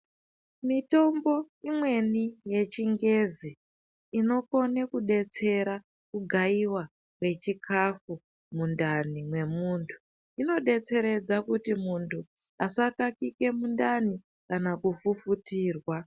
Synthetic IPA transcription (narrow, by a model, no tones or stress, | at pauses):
mito̞mbo̞ | imwe̞nije̞t͡ʃiŋɡe̞ziː | no̞ko̞nekuɗe̞t͡se̞ɾa | kuɡʱaiwa | kwe̞t͡ʃikʰafu | mundanimwe̞muːntʰu̥ | ino̞ɗe̞t͡se̞ɾe̞d͡zakutimuntʰu | asakakike̞mundani | kanakufufutiːrwa